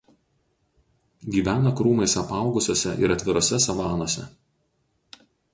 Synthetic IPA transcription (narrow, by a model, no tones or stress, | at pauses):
ɡʲiːʋʲæːnɐkɾuːmɐɪsɐpɑˑʊɡʊsʲoːsʲɛʔɪ̰ɾɐt̪ʲʋʲɪɾoːsʲɛsɐʋɑːnoːsʲɛ̰